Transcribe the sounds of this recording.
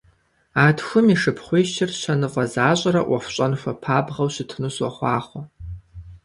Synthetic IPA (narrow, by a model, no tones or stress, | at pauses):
aːtxʷʊmiʂɨpʰχʷijʃt͡ʃʰɪrɕɐnɨqʷʼɐzaːɕʼɐɾɐʔɐxʷɕʷʼɐnxʷɐpʰaːbʁɐwɕɪtʰnɨɕwɐχʷɑːχʷɐ